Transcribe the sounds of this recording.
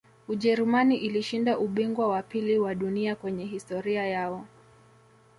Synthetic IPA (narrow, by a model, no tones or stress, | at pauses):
uʄɛɾumaniʔiliʃindaʔuɓiŋɡwawapiliwaɗuniakwɛɲɛɦistɔɾiajaɔ